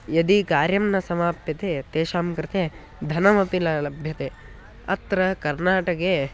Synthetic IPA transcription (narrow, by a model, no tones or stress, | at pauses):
jɐd̪ikaːɾjɐmnɐsɐmaːpjɐt̪et̪eːʃaːmkɾɪt̪e | d̪ʱɐnɐmɐpilɐlɐbʱjɐt̪e | ɐ̰t̪ɾɐkɐɾnaːʈɐke